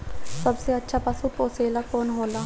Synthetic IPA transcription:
sɐbseətːʃʰapasupoːseːlakoːnɦoːla

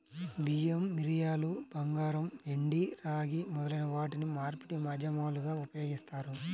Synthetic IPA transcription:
bijɐmːiɾijaːlubɐŋɡaːɾɐmʋeɳɖiɾaːɡimɔd̪ɐlɐjnɐʋaːʈinimaːɾpiʈimɐd͡ʒɐmaːluɡaːupɐjo̞ːɡist̪aːɾu

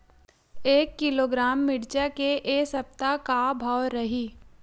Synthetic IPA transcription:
eːkːɪloːɡɾaːmːɪɽt͡ʃakeʔeːsɐpt̪akabʱawɾɐɦiː

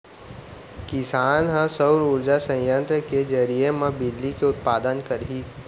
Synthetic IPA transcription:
kɪsaːnɦə̃səʊɾuːɾd͡ʒasɐ̃jjə̃nt̪ɾəked͡ʒəɾiemãbɪlːikeʊt̪̚paːd̪ənkɐɾɦiː

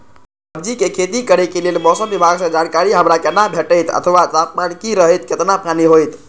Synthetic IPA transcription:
əb̚d͡ʒikekʰet̪ikəɾɛkelelmɔsəmbibʱaɡsə̃d͡ʒankaɾiɦəmɾakenːabʱeʈəjt̪ə̰t̪ʰəʋat̪at̪̚mankiɾəɦəjt̪ket̪napaniɦojt̪

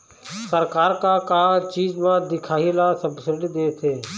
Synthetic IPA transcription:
səɾkaːɾkakaːt͡ʃiːzmãːd̪ɪkʰaːilaːsəbsəɾɖid̪eːt̪ʰeː

